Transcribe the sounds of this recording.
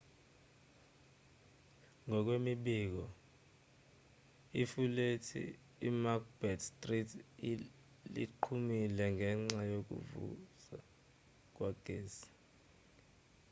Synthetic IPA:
ŋɔk̬wemiɓiːk̬ɔ | ifuletʰḭː | makb̥ɛtstʼritʰ | lḭǃʰumilɛŋʱɛŋ͡ǀajok̬ṵvṵza | k̬waɡ̥ʱeːsi̥

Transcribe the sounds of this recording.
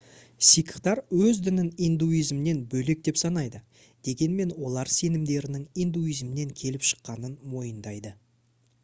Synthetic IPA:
sijkʰə̥χt̪ɑɾwɵzd̪ɪnɪnijnd̪uijzmɪne̞nbɵle̞k̚d̪e̞psɑnɑjd̪ə | d̪̥e̞ɡʲe̞nme̞nwo̞lˠɑɾse̞nɪmd̪e̞ɾɪnɪŋijnd̪uijzmɪne̞ŋkʲʰe̞lɪpʃə̥qːɑnənmo̞jənd̪ɑjd̪ə

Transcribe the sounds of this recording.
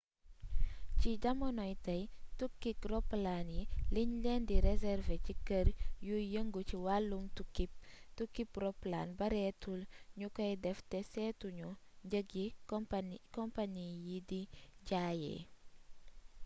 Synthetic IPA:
ciɟɐmɔnɔjtɐjtukːikrɔpːlanjiliɲlɛːndiɾɛzɛrvecikərjujəŋɡuciwalːumtukip̚tukːiprɔpːlanbɐɾɛtulɲukɐjdɛftɛsɛːtuɲuɟəɡi | kɔmpanijidiɟaːjɛ̰ː

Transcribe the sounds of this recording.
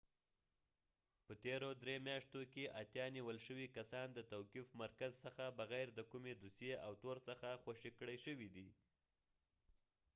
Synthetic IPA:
pət̪eɾod̪ɾemjɑʂt̪okeʔat̪jɑniwəlʃəwikasɑnd̪ət̪awkifmaɾkazsəxabaɣajɾd̪əkumed̪usjeawt̪oɾsəxaxwaʃikɽəjʃəwid̪i

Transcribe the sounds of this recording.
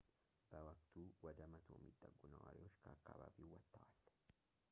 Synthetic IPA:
b̥ɐwɐkt̪uːwɔd̪ɐmɐt̪ʰo̰ːmɪt̪ʼːɐɡːʊnɐwɐ̰ɾɪjot͡ʃːkʰɐːkːa̰babiːwɐt̪ːɐʔal̥ː

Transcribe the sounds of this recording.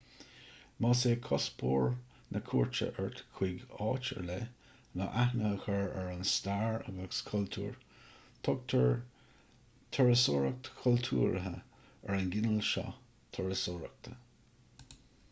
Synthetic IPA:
mɑːseːkʰɔspʰoːɹ | nʔəkʰuːɹt͡ʃə̰ʔɛɹt̪kʰwiɡɑːt͡ʃə̰ɹle | nəʔahnəhəxəɹɛɹənst̪aɹa̰ɡəskʰɔlt̪ʰṵːɹ | t̪ʰɔɡ̚t̪ʰəɹ | t̪ʰɔɹəsoːɹək̚t̪ə̥kʰʊlt̪ʰuːɹəɦə | ɛɹənɡɪnəlʃɔ̰ | t̪ʰəɹəsoɹək̚t̪ʰə

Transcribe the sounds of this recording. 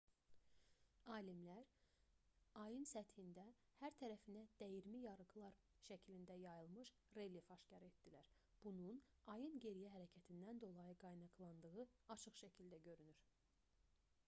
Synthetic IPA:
ɑːlimlæɾ | ɑjɯnsæt̪hind̪æhæɾt̪ʰæɾæfinæd̪̥æjiɾmijɑɾɯɡlˠɑɾ | ʃæcʰilind̪æjɑjɯlˠmɯʃ | relifɑʃcɑɾe̞t̪̚d̪̥ilæɾ | b̥unun | ɑjɯnɟe̞ɾijæɦæɾæcʰæt̪ʰind̪ænd̪o̞lˠɑjɯɡɑjnɑqlˠɑnd̪ɯɣɯɑt͡ʃʰɯχʃæcʰild̪æɟøɾynyɾ̥

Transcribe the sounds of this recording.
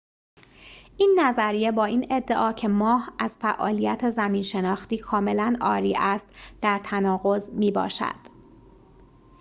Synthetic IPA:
ʔiːnːæzæɾije̞bɒːiːne̞d̪ːe̞ʔɒːcʰe̞mɒːhæz̥fæʔɒ̰ːlijæt̪ʰezæmiːnʃe̞nɒːxt̪iːkʰɒːme̞lænɒːɾiːʔæst̪d̪̥æɾt̪ʰænɒːɣo̞zmiːbɒ̰ːʃæ̰d̪̥

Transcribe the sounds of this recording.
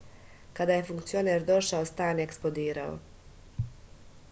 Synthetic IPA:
kad̪aje̞fuŋkt̪sio̞neɾd̪o̞ʃaost̪aːnjeksplod̪iːɾao̰

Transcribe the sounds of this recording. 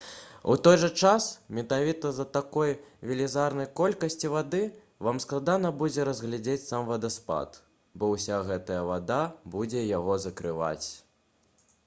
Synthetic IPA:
ut̪ɔjʐɐt͡ʂasmʲɛt̪avʲit̪ɐzɐt̪akɔjvʲɛlʲizarnɐjkɔlʲkɐsʲt͡sʲivad̪ɨ | vamsklˠad̪anɐbud͡zʲɛɾɐzɣlʲad͡zʲet͡sʲsamvad̪ɐspa̰t̪ | bɔwsʲaɣɛt̪ɐjɐvad̪abud͡zʲɛjaɣɔzɐkɾɨva̰t͡sʲ

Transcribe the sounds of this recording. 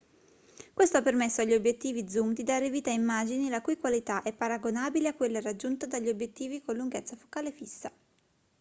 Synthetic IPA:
kwest̪oapːermesːoaʎːiobjet̪ːiːvid̪zumd̪id̪aːɾeviːt̪aimːaːd͡ʒinilakujkwalit̪aʔɛpːaɾaɡonaːbileakːwelːaɾad͡ʒːunt̪ad̪aʎːiobjet̪ːiːvikolːuŋɡet̪sːafo̥kaːlefisːa

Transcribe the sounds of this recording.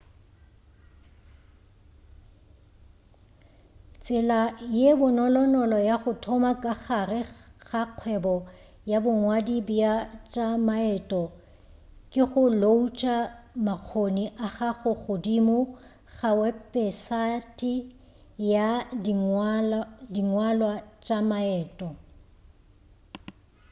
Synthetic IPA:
t͡sʼɪlajebʊnɔlɔnɔlɔjaχʊtʰɔmakʼaχarɪɣaq͡χʰwɛbɔ | jabʊŋwadibiat͡ʃʼamaɛtʼɔ | kʼɪχʊlout͡ʃʼamaq͡χʰoniʔaχaχʊɣʊdimʊ | ɣawɛpʼɛsatʼi | jadŋ | diŋwalwat͡ʃʼamaɛːtʼɔ

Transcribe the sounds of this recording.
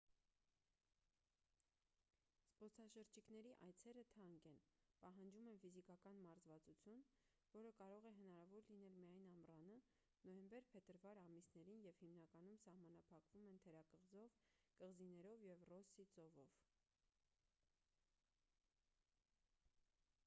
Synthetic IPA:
spɔt͡sʰɑʃəɾt͡ʃʰikn̪ɛɾiʔɑ̰jt͡sʰɛɾət̪ʰɑŋkɛnpɑɦɑnd͡ʒumɛnfizikɑkɑnmɑɾzvɑt͡sut͡sʰjun | vɔɾəkɑɾɔʁɛɦənɑɾɑvɔɾlinɛlmijɑjnɑmrɑnə | nɔjɛmbɛɾpʰɛt̪əɾvɑɾɑmisnɛɾinjɛvhimnɑkɑnumsɑhmɑnɑpʰɑkvumɛnt̪ʰɛɾɑkəʁzɔvkəʁzinɛɾɔvjɛvrɔsit͡sɔvɔv

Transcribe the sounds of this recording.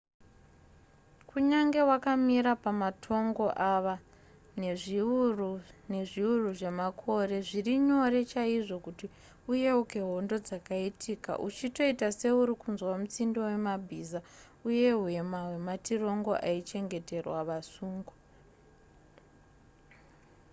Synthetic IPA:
kuɲaŋɡe̞wakamiɾapamatʰo̞ŋɡo̞ʔaʋa | neruneʐiuruʐe̞makʰo̞re̞ʐiriɲo̞ɾe̞t͡ʃaiʐo̞kuti | uje̞uke̞ɦo̞ndo̞d͡zakaitika̰ʔut͡ʃito̞itase̞uɾikunzwamut͡sindo̞we̞mabʱiza | uje̞ɦue̞maɦwe̞matiro̞ŋɡo̞̰ʔait͡ʃe̞ŋɡe̞te̞rwaʋasuːŋɡo

